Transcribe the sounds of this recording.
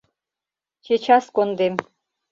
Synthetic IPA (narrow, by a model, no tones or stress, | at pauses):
t͡ʃʰet͡ɕɑskond̪em